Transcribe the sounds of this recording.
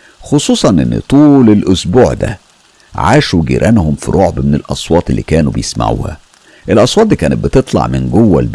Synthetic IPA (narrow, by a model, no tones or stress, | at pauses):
xosˤuːsˤɑnʔḛnːt̪ˤuːlelʔʊsbuːʕd̪æ̰ | ʕaːʃuɡḭɾʔænhʊmfiɾˤʔoʕbmenelʔɑsˤwɑːt̪ˤelːḭːkæːnubejesma̰ʕṵːhæ̰ | ʔelʔɑsˤwɑːt̪̚ˤd̪ikæːnet̪̚bɪt̪et̪ˤlɑ̰ʕmɪnɡowːæ̰lb